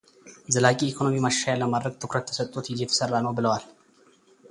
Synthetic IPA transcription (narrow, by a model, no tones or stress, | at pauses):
zəlakʼiːkʰo̞nomimaʃːajalːəmad̪ɾəɡ̚t̪ʰɨkɾət̪ʰːəsət̪ʼːot̪jɪzɛt̪ʰə̥sərːanəwbɨləwal